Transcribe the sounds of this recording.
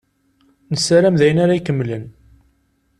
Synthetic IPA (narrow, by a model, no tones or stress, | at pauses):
nəsaɾæmðæjənaɾaikəmːlən